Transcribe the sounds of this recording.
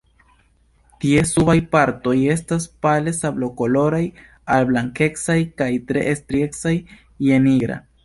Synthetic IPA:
tie̞subajpaɾto̞je̞staspale̞sablo̞ko̞lo̞ɾaj | alblaŋke̞ksajkajtɾe̞̰ʔːstɾie̞ksajː | e̞niɡɾa̰

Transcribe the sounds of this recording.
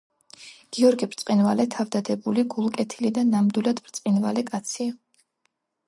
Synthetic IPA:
ɡ̥iɔɾɡibɾt̪sʼqʼinvalɛt̪ʰavd̪ad̪ɛbuliɡulˠkʼɛt̪ʰilid̪anːamd̪wilˠad̪bɾt̪sʼqʼinvalɛkʼat̪sʰi

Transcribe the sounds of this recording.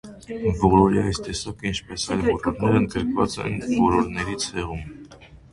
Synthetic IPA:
vɔlɔɾiɑjst̪ɛsɑkəint͡ʃʰpɛsɑjlvɔɾɔɾnɛɾənd̪̚ɡəɾkvɑt͡sɛ̰nvɔlɔɾnɛɾit͡sʰɛʁum

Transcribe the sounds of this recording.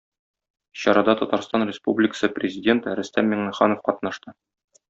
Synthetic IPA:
ɕɒɾɑd̪ɑt̪ɒt̪ɑɾst̪ɑnrʲɪspublʲɪkə̥sɤprʲɪzʲɪdʲe̞nt̪ɾɵ̆st̪ænmʲeŋnɘχɑnofqɒt̪nɑʃt̪ɤ

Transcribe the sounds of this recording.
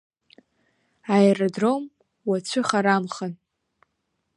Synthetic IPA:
aerodrom | wat͡ɕʷʰʏχaɾamχan

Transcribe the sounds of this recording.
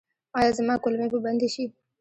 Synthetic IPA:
ɑjaːzɐmaːkolmepəbɐnd̪eʃi

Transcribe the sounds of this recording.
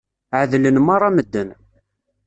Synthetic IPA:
ʕəðlənmɑɾˤɑməd̪ːən

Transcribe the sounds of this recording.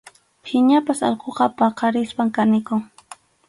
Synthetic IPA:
hɪɲapasɑ̰lqoqɑpɑqɑɾɪspaŋkanɪkʊŋ

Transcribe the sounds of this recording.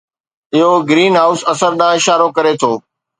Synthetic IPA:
ɪɦoɡɾiːnɦaːʊsɐsəɾɗãːɪʃaːɾokɐɾet̪ʰoː

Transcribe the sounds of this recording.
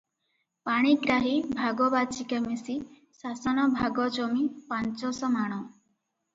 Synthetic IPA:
paɽ̃iɡɾaɦibʱaɡɔbat͡ʃikɛmisi | sasɔnɔbʱaɡɔd͡ʒɔmipant͡ʃɔsɔmaɽ̃ɔ

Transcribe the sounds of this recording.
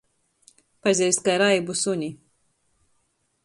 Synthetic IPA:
pazʲɛjst̪kaɾajbusuɲi

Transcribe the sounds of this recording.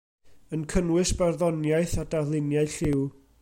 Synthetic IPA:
ənkʰənwɨsb̥ɛrðɔnjajθadalˠɪnjaɨɬɪw

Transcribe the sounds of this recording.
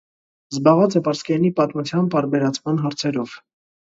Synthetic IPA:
zbɑʁɑt͡sɛpɑɾskɛnipɑt̪mut͡sʰjɑnt̪ɑɾbɛɾɑt͡sʰmɑnɦɑɾt͡sʰɛɾɔv̥

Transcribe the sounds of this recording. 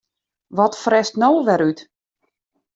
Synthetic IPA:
ʋɔtfrɛstnoːʋɛɾyt

